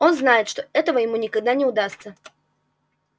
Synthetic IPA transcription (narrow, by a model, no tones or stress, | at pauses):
o̞nznajɪt̪ʂt̪o̞ɛt̪əvəjɪmunʲɪkɐɡ̚d̪anʲɪʊd̪ast̪sə